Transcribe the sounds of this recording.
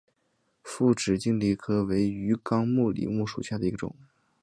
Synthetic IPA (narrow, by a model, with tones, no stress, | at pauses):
fu˥˩ʈ͡ʂɻ̩˨˩t͡ɕi˥˧ŋli˥˩kʰɤ˥we˧˥ɪy˧˥kɑ˥ŋmu˥˩lḭ˨˩˦mu˥˩ʂu˨˩ɕja˥˩d̪ə˩i˧˥ɡə˧ʈ͡ʂʊ̰˨˩˦ŋ